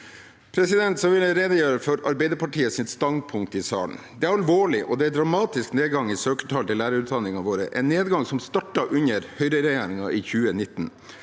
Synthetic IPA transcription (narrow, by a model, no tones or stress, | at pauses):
pʰɾɛsɪd̪ɛnt̪sɔʋɪləɾeːd̪əjøːɾəfɔɾɑɾbæɪd̪əɾpʰɑʈʰiːəsɪnst̪ɑnd̪̚pʰʊŋk̚t̪ɪsɑ̰ːlən̩ | d̪ɛæɾɑlʋoːɭɪʔɔd̪ɛæd̪ɾɑmɑːt̪ɪskneːd̪ɡɑŋɪsøːkət̪ʰɑːlt̪ɪlæːɾəʉːt̪d̪ɑnːɪŋɑʋoːɾə̰ʔɛ̰nːeːd̪ɡɑŋsɔmst̪ɑʈːɑʔʉɲəɾhœʏɾəɾɛjeːɾɪŋɑʔiçʉːənɪt̪ːn